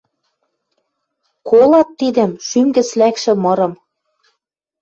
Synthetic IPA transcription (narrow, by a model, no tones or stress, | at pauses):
kolɑt̪ːid̪ɘ̆mʃymɡɘ̆t͡slækʃɘ̆mɤ̆ɾɤ̆m